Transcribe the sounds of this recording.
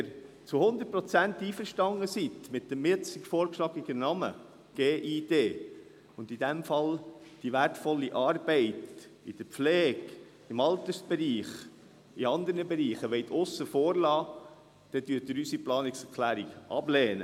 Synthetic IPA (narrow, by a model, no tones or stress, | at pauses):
ɾ | t͡suhʊnd̪ət̚pɾɔt͡sænt̪iːfəɾʃtɑŋːəsit̪mɪt̚dəmːɪt͡sɪkfɔːɾkʃlɑɡiɡ̥ənɑmə̰ | ɡ̥eːʔiːd̥eː | ʊnd̪idɛmfɑld̥iʋæɾtfɔlːiʔɑːrbɛɪtḭd̥əpflɛːɡ | ɪmɑlt̪əsb̥ɛɾiːχ | iɑnd̪əɾnəbɛɾiːχəʋɛɪt̪ʰʊsːəfɔːɾlɑː | d̥ɛd̥̪yət̪əɾysiplɑːnɪksɛɾkʰlæːɾiɡʔɑ̰blɛːnə̰